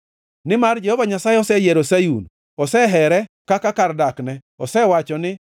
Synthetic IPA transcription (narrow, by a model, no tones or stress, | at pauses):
nɪmard͡ʒɛhɔvaɲasajɛɔsɛjɛɾusajṵn | ɔsɛɦɛɾɛ | kakakardaknɛ | ɔsɛwat͡ʃɔnɪ